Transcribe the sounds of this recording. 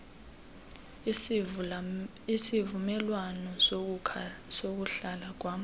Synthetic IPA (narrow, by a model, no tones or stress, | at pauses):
isivumɛlwanɔ | sok̬uɬalak̬waːm